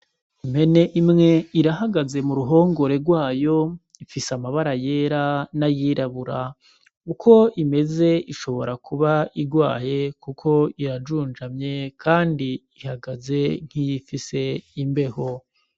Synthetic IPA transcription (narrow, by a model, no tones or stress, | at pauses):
im̥he̞ne̞ʔimŋe̞iɾaɦaɡaze̞muɾuɦo̞ːŋɡo̞ɾe̞ɾɡwaːjo̞ | ifisamaβaɾaje̞ːɾanajiːɾaβuɾa | ukʰo̞ʔime̞ze̞iʃo̞βo̞ɾakʰuβaiɡwaːje̞kukʰo̞iɾad͡ʒuːnd͡ʒamɲe̞kʰaːndiihaɡaze̞ŋ̥hijifise̞imbe̞ho